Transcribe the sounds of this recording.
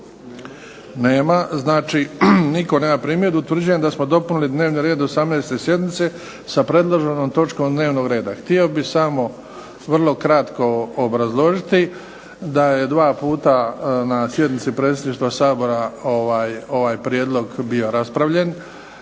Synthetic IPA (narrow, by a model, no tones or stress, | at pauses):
neːmaznaːt͡ʃiniko̞neːmapɾiːmje̞d̪uut̪ʋr̩d͡ʑujemd̪asmo̞d̪o̞punulid̪ne̞ːʋniɾe̞ːd̪o̞samneːst̪e̞sje̞d̪nit̪se̞ | sapɾe̞d̪lˠoʒenoːmt̪o̞t͡ʃkoːmd̪ne̞ːʋno̞ɡɾe̞ːd̪axt̪io̞bisamo̞ | ʋrlˠo̞kɾat̪ko̞ːbɾazlˠo̞ʒit̪i | d̪aje̞d̪ʋaːpuːt̪anasje̞d̪nit̪sipɾe̞ːt̪sʲed̪niːʃt̪ʋasaːbo̞ɾaoʋaːjoʋaːjpɾjed̪lˠo̞ɡbio̞ɾaspɾaʋʎe̞n